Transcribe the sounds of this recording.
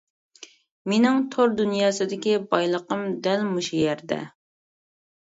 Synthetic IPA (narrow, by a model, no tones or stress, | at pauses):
menɪŋt̪ʰoɾd̪unjɑːsɨd̪ɪkʲibɑjlˠəqəmd̪ɛlmuʃujɛɾd̪ɛ̰